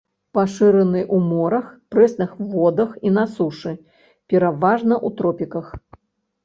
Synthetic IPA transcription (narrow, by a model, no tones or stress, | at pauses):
paʂɨɾɐnɨʔumɔɾɐxpɾɛsnɨxvɔd̪ɐxinasuʂɨ | pʲɛɾavaʐnɐʔut̪ɾɔpʲikɐx